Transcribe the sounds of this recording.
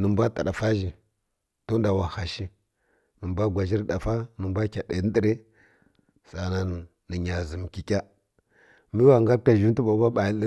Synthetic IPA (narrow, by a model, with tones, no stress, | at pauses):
nə˨mbʷa˦ta˨ɗa˨fa˦ʒi˨ | to˦n˦da˨wa˨ha˨ʃi˦ | nə˨mbʷa˦ɡʷa˨d͡ʒi˦ɾɗa˨fa˦nə˨mbʷa˦kʲa˨ɗe˨˦n˦də˦ɾe˦ | sa˨na˦˨ | nə˨ɲa˨zə˨m˨ki˨kʲa˦ | mi˦wa˨ŋɡa˦ɾka˨ʒu˦n˦tu˦ba˨˦ba˦ɓa˨jə˦